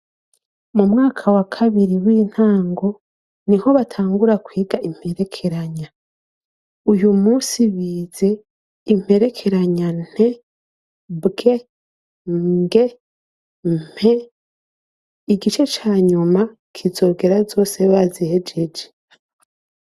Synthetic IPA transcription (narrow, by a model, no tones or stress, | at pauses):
mumŋaːkʰawakʰaβiɾiwiːn̥haːŋɡo̞ | niho̞βatʰaːŋɡuɾakwiːɡaim̥he̞ɾe̞kʰe̞ɾaɲa | ujumuːsiβiːz̥e̞ | im̥he̞ɾe̞kʰe̞ɾaɲan̥e̞ | bɡe̞ | ŋɡe̞ | m̥e | iɡit͡ʃe̞t͡ʃaːɲuma | kʰizo̞ːɡe̞ɾazo̞ːse̞βazihed͡ʒe̞d͡ʒe̥